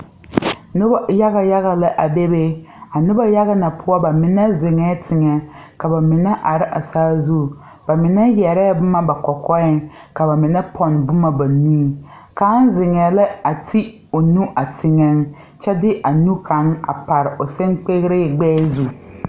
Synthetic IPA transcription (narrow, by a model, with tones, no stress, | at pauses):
nʊ˦ba˦ja˦ɣa˦ja˦ɣa˨lɪ˦ʔa˨be˦be˦a˨nʊ˦ba˦ja˦ɣa˦na˨pʰʊ˦ɔ˦ba˨mɪ˨nɛ˦zɪ˨ŋɛː˦tʰɪ˨ŋɛ˨ | ka˨ba˨mɪ˨nɛ˦ʔa˨ɾɪ˦ʔa˨saː˦zu˦˨ | ba˨mɪ˨nɛ˦jɛ˨ɾɛ˦bʊ˦ma˦ba˨kɔ˨kɔ˦ɪ˦ŋ | ka˨ba˨mɪ˨nɛ˦pʰɔ˨n˨bʊ˦ma˨ba˨nĩː˦ | ka˨˦n˦zɪ˨ŋɛ˨lɪ˦a˨tʰi˦ | o˨nu˦ʔa˨tʰɪ˨ŋɛ˦ŋ | t͡ʃɛ˦dɪ˦ʔa˨nu˦kʰa˨˦ŋ˦a̰˨pa˨ɾɪ˨ʔʊ˨sɪ˦ŋk͡pe˦ɣɾɪ˦˨ɡ͡bɛː˦zu˦